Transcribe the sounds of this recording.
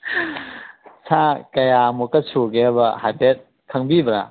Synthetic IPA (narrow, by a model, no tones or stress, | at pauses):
sʰakɐjamukɐsuɡebɐhajpʰet̚ | kʰɐŋbibɾa̰